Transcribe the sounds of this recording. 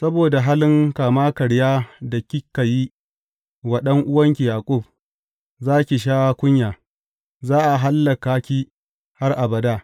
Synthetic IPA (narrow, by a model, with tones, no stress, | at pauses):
sɐ˦boː˨da˨ɦaː˦lɪ˦ŋkaː˨maː˦kɐ˨ɽjaː˦da˨kʲi˦kːɐ˨jiː˦ | wɐ˨ɗɐ˦ŋʔʊ˦wɐ˦ŋkʲi˨jaː˨kʷʼʊ˦˨b̚ | zaː˦kʲi˨ʃ̬aː˦kʷʊ˦ɲjaː˨ | zaː˦ʔa˨ɦa˦lːɐ˨kaː˦kʲiː˦ | ha˦rʔa˨bɐ˨daː˦˨